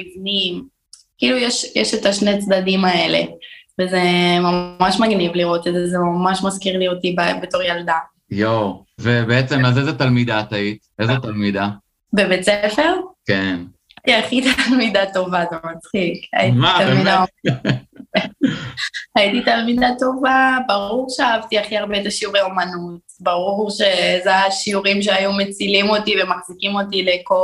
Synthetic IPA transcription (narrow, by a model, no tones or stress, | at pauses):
ivnim | kiilujeʃjeʃet̪aʃnet͡sd̪adimae̞le̞̰vezemaaʃmaɡnivliʁo̞t̪edzeezemamaʃmaskiʁliot̪ibebeto̞ʁjald̪a | jowvebeet͡semazezet̪almid̪at̪ait | ezet̪almid̪a | bebet͡sefe̞ʁken | aχit̪almidato̞vazomat͡sχika̰jitialmidao | aititalmidato̞vabaʁuʁʃeaavt̪iaχiaʁbeezeʃiuʁeomanutbaʁuʁʃe̞zeaaʃiuʁimʃ̬eajume̞t͡silimo̞tive̞maχzikimo̞tileko